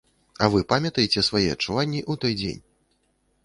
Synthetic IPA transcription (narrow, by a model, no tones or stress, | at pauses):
ɐvɨpamʲɐt̪ɐjet͡sʲɛsvajɛɐ̰t͡ʂːuvanʲːiʔut̪ɔjd͡zʲḛnʲ